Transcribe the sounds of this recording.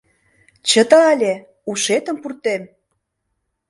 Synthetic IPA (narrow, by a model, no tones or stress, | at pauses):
t͡ɕə̆t̪ɤɑlʲe | uʃet̪ə̆mpurt̪em